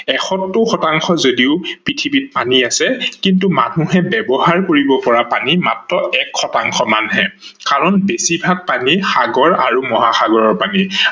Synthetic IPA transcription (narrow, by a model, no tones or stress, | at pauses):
ɛxɔtːʊxɔtaŋxɔzodiʊpɹitʰibit̚paniasɛkintuma̰nuɦɛbɛbɔɦaɹkoɹibɔpɔɹapanimatɹɔɛkxɔtaŋxɔmanɦɛ | kaɹɔnbesibʱak̚panixaɡɔɹaɹumɔɦaxaɡɔɹɔɹpani